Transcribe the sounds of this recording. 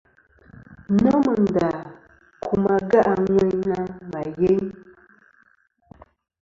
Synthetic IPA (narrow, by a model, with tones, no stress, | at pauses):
nɔ˦mə˨n˨da˨ | kʰu˨ma˨ɡa˦ʔa˨ɲɛ˦ɲna˦ma˨je˦ɲ